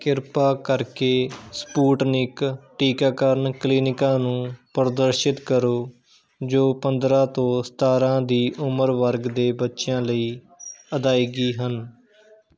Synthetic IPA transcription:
kɪɾpaːkəɾkeːspuːʈnɪkʈiːkaːkəɾənkliːnɪkãːnũːpəɾd̪əɾʃɪt̪kəɾoː | d͡ʒoːpənd̪ɾãːt̪õːst̪aːɾãːd̪iːʔʊməɾʋəɾɡd̪eːbətːʃɪjãːləiː | əd̪aːiːɡiːɦən

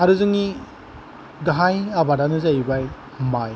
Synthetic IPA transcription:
aɾɯzɯŋi | ɡaɦajabadanɯzajibaj | maj

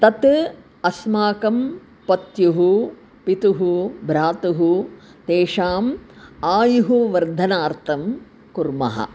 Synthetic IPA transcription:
t̪ɐt̪ | ɐsmaːkɐm | pɐt̪juɦu | pit̪uɦubʱɾaːt̪uɦu | t̪eːʂaːmaːjuɦuʋɐɾd̪ʱɐnaːɾt̪ʰɐm | kuɾmɐ̰ɦɐ̰

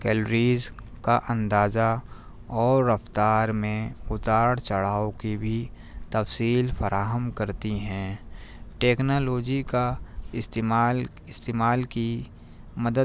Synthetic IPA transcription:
kɛːlɾiːz | kaʔə̃nd̪aːza | ɔːɾːɐft̪aːɾmẽʊt̪aːɽt͡ʃəɽ̤aːõkibʱi | t̪ɐfsiːlfʰəɾʔaːɦəmkɐɾt̪iɦɛ̃ːʈeːknoːloːd͡ʒikaɪst̪eːmaːl | ɪst̪eːmaːlki | mɐd̪ə

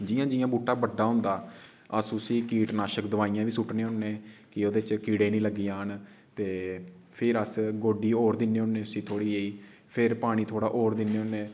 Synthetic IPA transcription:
d͡ʒɪjãːd͡ʒɪjãːbuːʈːaːbəɖːaːɦʊ̃ːnd̪aː | əsʊsiːkiːʈnaːʃəkd̪əʋaːijãːʋiːsʊʈneːɦʊnːẽːkɪoːd̪eːt͡ʃkiːɽeːnĩːləɡːiːãːn | t̪eː | pʰɪɾəsɡoːɖiːoːɾd̪ɪneːʊnːeːʊsĩːt̪ʰoːɽiːeːiː | pʰɪɾpaːɽ̃iːt̪ʰoːɽaːʔoːɾd̪ɪneːonẽː

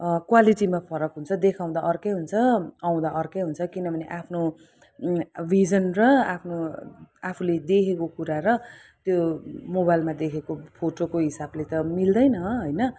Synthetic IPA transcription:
kwaliʈimapʰʌɾʌkɦunt͡sʰʌd̪ekʰaw̃d̪aʔʌrkʌjɦunt͡sʰʌaw̃d̪aʔʌrkʌjɦunt͡sʰʌkinʌbʱʌneʔapʰno | bʱid͡zʌnrʌapʰnoapʰuled̪ekʰekokuɾaɾʌ | t̪jomobajlmad̪ekʰekopʰoʈokoɦisablet̪ʌmild̪ʌjnʌɦojnʌ

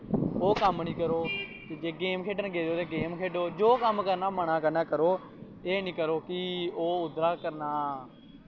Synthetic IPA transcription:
oːkəmnĩːkəɾoːt̪eːd͡ʒeːɡeːmkʰeːɖənɡeːɾoːt̪eːɡeːmkʰeːɖoːd͡ʒoːkəmkəɾnaːməɳ̃ãːkənaːkəɾoː | eːnĩːkəɾoːkɪoːʊd̪ɾaːkəɾnaː

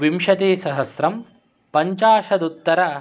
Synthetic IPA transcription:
ʋimʃɐt̪eːsɐɦɐsɾɐm | pɐɲt͡ʃaːʃɐd̪ut̪ːɐɾɐ

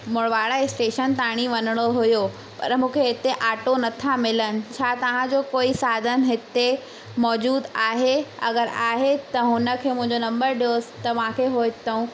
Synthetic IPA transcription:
mʊɽʋaːɽaesʈeːʃənt̪aːɽ̃iʋɐnəɽ̃oɦʊjo | pɐ̰ɾmũːkʰeɦɪt̪eʔaːʈonɐt̪ʰamɪlənɪ̆t͡ɕʰaːt̪ɐʋ̤ãd͡ʑoːkoːisaːd̪ənɦɪt̪e | mɔːd͡ʑuːd̪aːɦeɐ̰ɡəɾaːɦet̪ɐɦʊnə̆kʰeːmʊ̃ɦɪ̃ɲd͡ʑonɐ̃mbəɾɗijoːsɪ̥t̪ɐʋãkʰeɦoɪt̪ɐũ

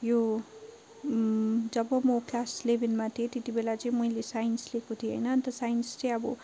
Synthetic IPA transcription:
jo | d͡zʌbʌmoklaslebʱinmat̪ʰiet̪et̪ibelat͡sʌĩmʌilesajnslekot̪ʰieɦʌ̰jnʌnt̪ʌsajnst͡sʌj̃ʌbʌ

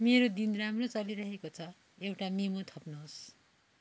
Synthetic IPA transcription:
meɾod̪inramrot͡sʌliɾʌɦekot͡sʰʌ | ewʈamimot̪ʰʌpnoɦos

